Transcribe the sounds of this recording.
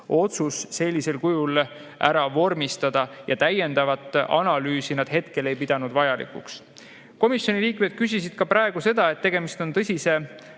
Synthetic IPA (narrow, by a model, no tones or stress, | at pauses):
o̞t̪susːe̞lʲːise̞lkujul | ʔæ̰ɾɑvo̞rmist̪ɑd̪̥ɑjʔɑ̰t̪æje̞nd̪̥ɑvɑt̪ˑːɑ̰nɑlyːsinɑd̪̥he̞t̪ke̞le̞jpid̪̥ɑnud̪vɑjɑlḭkṵks | ko̞misjo̞nʲiliːkme̞d̪̥̚kys̬ʲisid̪̥kɑpɾɑeɡ̥use̞d̪̥ɑe̞t̪ːe̞ɡ̥e̞mist̪o̞nt̪ɤsʲise̞